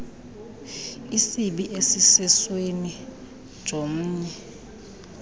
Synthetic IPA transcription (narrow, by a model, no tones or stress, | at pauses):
isiɓiʔesisɛsweni | d̥ʒ̥ʱom̩ːɲɛ